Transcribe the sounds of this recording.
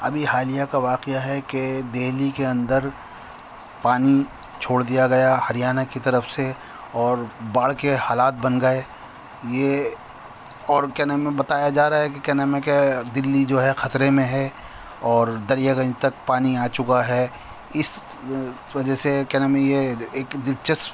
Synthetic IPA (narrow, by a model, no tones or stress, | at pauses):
ɐbʱihaːlijakaʋaːqeaɦɛked̪eːɦlikeɐ̃nd̪əɾ | paːni | t͡ʃʰoːɽd̪ijaɡɐjahɐɾijaːnakit̪ɐɾəfse | ɔːɾbaːɽ̤kehaːlaːt̪̚bɐnɡɐe | je | ɔːɾkɛnemẽbɐt̪aːjad͡ʒaːɾaaɦɛkekɛnamẽked̪ɪlːid͡ʒoːɦɛxɐt̪ɾemẽɦɛ | ɔːɾd̪ɐɾijaɡɐ̃nd͡ʒt̪ɐk̚paːniaːt͡ʃʊkaɦɛː | ɪs | ʋɐd͡ʒɛsekɛɦnamẽjeeːkd̪ɪɾt͡ʃəs